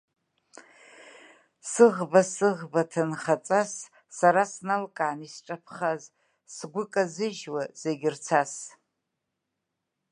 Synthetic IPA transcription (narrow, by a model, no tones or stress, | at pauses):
sɨʁbasɨʁbatʰanχat͡sʼasː | aɾasnalkʼaːnisʈ͡ʂʼapʰχaz | sɡʷʊkʼazɨʒwaz̥eɡʲɪrt͡sʰas